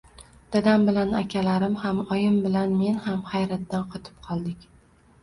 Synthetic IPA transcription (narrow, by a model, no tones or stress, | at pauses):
d̪̥ad̪ambɪlanakʲʰalaɾɪmhamɒjɪmbɪlanme̞nhamhajɾat̪ːanqʰɒt̪ʰɪ̥p̚qʰɒlˠd̪ɪkʲ